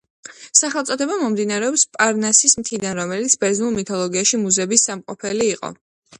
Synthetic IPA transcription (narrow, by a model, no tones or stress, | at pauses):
saχɛlˠt̪sʼɔd̪ʰɛbamɔmd̪inaɾɛɔpspʼaɾnasismt̪ʰid̪anɾɔmɛlit̪sʰbɛɾznulˠmit̪ʰɔlˠɔɡiaʃimuzɛbisːamqʼɔ̰pʰɛliːqʼɔ̰